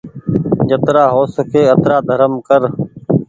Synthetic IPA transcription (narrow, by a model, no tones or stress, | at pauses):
d͡ʒət̪ɾaːɦoːsəkʰeːət̪ɾaːd̪ʱəɾəmkəɾ